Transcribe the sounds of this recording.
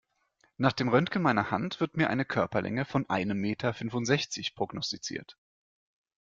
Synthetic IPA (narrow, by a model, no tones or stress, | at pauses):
naːχd̥eːmʁœntkəl̩maɪnɐha̰ntv̥ɪɐtmiːɐʔaɪnəkʰœɐpɐlʔɛ̰ŋəfɔnʔa̰ɪnəmːeːtʰɐfʏnvʊntz̥ɛçt͡sɪçpʁ̥ɔɡnɔstit͡sḭːɐt